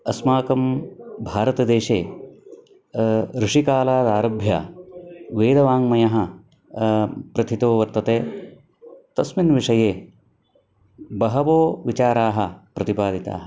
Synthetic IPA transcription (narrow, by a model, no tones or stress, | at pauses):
ɐsmaːkɐmbʱaːɾɐt̪ɐd̪eːʃeː | ɾɪʂikaːlaːd̪aːɾɐbʱja̰ː | ʋeːd̪ɐʋaːŋmɐjɐɦɐ̆ | pɾɐt̪ʰit̪oːʋɐɾt̪ɐt̪eː | t̪ɐsminʋiʂɐjeː | bɐɦɐʋoːʋit͡ʃaːɾaːɦɐpɾɐt̪ipaːd̪ʱit̪a̰ːɦɐ